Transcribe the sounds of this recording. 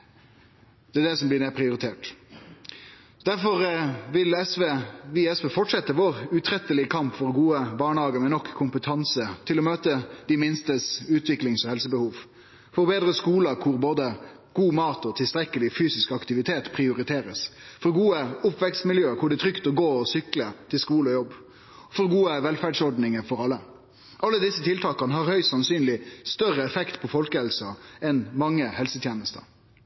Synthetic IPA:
d̪̥ɛæd̪ɛsɔmb̪ɪnɛpʰɾɪʊɾɪt̪ʰeːʈ | d̪æɾfɔɾʋɪlɛsʋeʋɪɛsʋefɔʈʂɛt̪ːəʋoːʁʉt̪ʰɾɛt̪əlɪəkʰɑmpfɔʁɡuːəbɑːɳəhɑːɡəmɛnɔkʰːʊmpət̪ʰɑnsət̪ʰɪlɔmøːt̪əd̪̥ɪmɪnst̪əsʉːt̪ʰʋɪklɪŋsɔhɛlsəbəhuːʋ | fɔʁbeːd̪ɾəskuːləkʰʊɾboːd̪ə | ɡ̥uːmɑːt̪ɔt̪ʰɪlst̪ɾɛkəlɪfyːsɪskɑkt̪ɪʋɪt̪ʰeːt̪pʰʁɪʊɾɪt̪ʰeːɾəsfɔɾɡuːəʊpʋɛkst̪mɪljøːkʰʊɖɛt̪ʰɾʏkt̪ɔɡoːɔsʏklət̪ʰɪlskuːləɔjɔbː | fɔɾɡuːəʋɛlfæɖsɔɖnɪŋəfɔʁɑlːə | ʔɑlːəd̪ɪsːət̪ʰɪlt̪ʰɑːkɑnəɦɑɾhœʏsɑnsyːnlɪst̪œʁəɛfɛkt̪pʰɔfɔlkəhɛlsɑɛnmɑŋːəhɛlsət̪ʰjeːnəst̪ə̰

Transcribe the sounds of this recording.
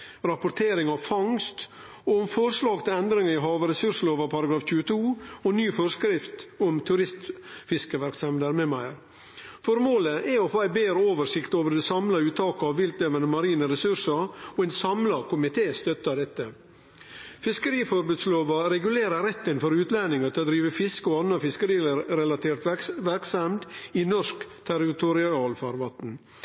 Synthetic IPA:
ɾɑpʊɾt̪ʰeːɾɪŋɑʋfɑŋst̪ | ɔmfɔɾʂlɑːɡt̪ʰɪlɛnd̪ɾɪŋəɪɦɑːʋəɾɛsʉʂloːʋɑpʰɑɾɑɡɾɑːfc͡çʉːət̪ʰuːɔnyːfɔɾskɾɪft̪ɔmt̪ʰʉɾɪst̪fɪskəʋæɾksɛmd̪æːɾmɛmæɪɾ | fɔɾmoːləʔɛɔfoːæɪbeːɾəoːʋəɾʂɪkt̪oːʋəɾɖɛsɑmlɑʉːt̪ʰɑːkəɑʋʋɪlt̪eːʋənəmɑɾiːnəɾɛsʉɾʂɑɔɛɪnsɑmlɑkʊmɪt̪ʰeːst̪œt̪ɑd̪ɛt̪ːə | fɪskəɾiːfɔɾbʉːd̪sloːʋɑɾɛɡʉleːɾəɾɛt̪ːənfɔɾʉːt̪lænɪŋɑt̪ʰɪlɔd̪ɾiːʋəfɪskəɔɑnɑfɪskəɾiːɾɛlɑt̪ʰeːɾt̪ʋæɾksɑmd̪ɪnɔʂkt̪ʰæɾɪt̪ʊɾɪɑːlfɑɾʋɑt̪n̩

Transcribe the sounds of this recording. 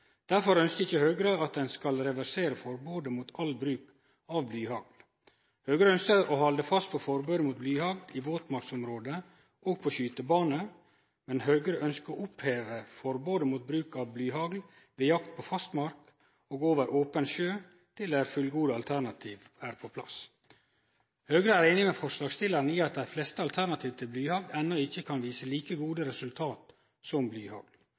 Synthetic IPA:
d̪̥æɾfɔɾœnskəɪçəhœːɡɾəɑt̪̚d̪ɛnskɑlɾɛʋæɾseːɾəfɔɾboːd̪əmuːt̪ʰɑlbɾʉːk | ɑʋblyːhɑɡl | hœɡɾəœnskəɾɔhɑld̪əfɑst̪̚pʰɔfɔɾbøːd̪əmuːt̪̚blyːhɑɡd̪iʋoːt̪mɑɾksɔmɾoːd̪ə | ʔoːɡ̚pʰɔɕyːt̪əbɑːnə | mɛnɦœːɡɾəʔœnskəoʔʊpheːʋəfɔɾboːd̪əmuːt̪̚bɾʉːkɑʋblyːɦɑɡl | ʋeːjɑkt̪̚pʰoːfɑst̪mɑɾk | oːɡoːʋəɾʔoːpənɕøː | t̪ʰɪld̪æɾfʉlɡuːd̪əɑlt̪ʰæɾnɑt̪ʰiːʋæːɾpʰopʰlɑ̰s | høːɡɾəæːɾeːnɪmeːfɔʂlɑːɡst̪ɪləɾn̩iːɑt̪̚d̪æɪflɛst̪əɑlt̪ʰæɾnɑt̪ʰiːʋt̪ʰɪlblyːhɑɡlɛnːɔɪçːəkʰɑnʋiːsəliːkəɡuːd̪əɾɛsʉlt̪ʰɑːt̪ | sɔmblyːhɑ̰ɡl

